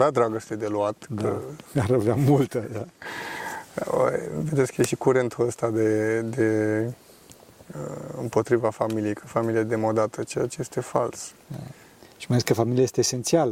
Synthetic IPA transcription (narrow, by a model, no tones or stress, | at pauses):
vad̪ɾaɡəst̪ed̪e̞luat̪kəaɾavamult̪əd̪a | o̰j̰ved̪et̪skəjeʃikuɾe̞nt̪ʰuəst̪ad̪e̞d̪e̞ | əɨmpo̞t̪ɾivafamilijejkʰəfamilijad̪emod̪at̪ət͡ʃejat͡ʃeje̞st̪e̞falsa | ʃimalekəfamiliajest̪eːse̞nt̪sialə